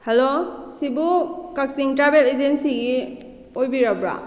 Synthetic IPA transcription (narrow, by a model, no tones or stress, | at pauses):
helosibukaksiŋtɾabeled͡ʒensiɡi | ojbiɾabɾa̰